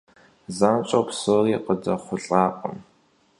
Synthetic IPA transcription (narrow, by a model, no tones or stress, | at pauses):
zaːnt͡ʃʼɐpsoːriːqədɐχʷʊɬʼaːqʼə̰m